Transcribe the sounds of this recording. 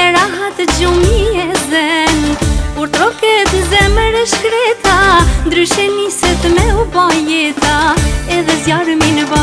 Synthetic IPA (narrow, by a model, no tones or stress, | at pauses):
ɛɾaɦat̪ɛd͡ʒumiɛzɛnuɾt̪ɾɔkɛt̪nzɛməɾɛʃkɾɛt̪and̪ɾyʃɛnisɛt̪mɛubajɛt̪aɛðɛzjaɾəminəba